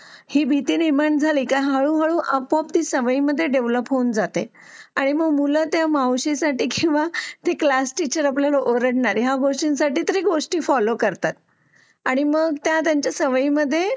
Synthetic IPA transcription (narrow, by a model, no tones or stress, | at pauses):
hiːbʱit̪iːniməɳd͡zʱaliːkaɦaɭuɦaɭuːʔəpɔp̚t̪isəʋəiməd̪ʱːjeɖeʋləpɦond͡zat̪e | aɽ̃iməɡmulət̪jamawɕesaʈiːkĩw̃ʋat̪eklasʈit͡ɕəɾapljalaʔoɾəɽɳaɾɦjaɡoʂʈinsaʈiːt̪əɾiːɡoʂʈiːfɔlokəɾt̪at̪̚ | aɽ̃iməɡt̪jat̪jaɲt͡ɕjasəʋəiməd̪ʱːje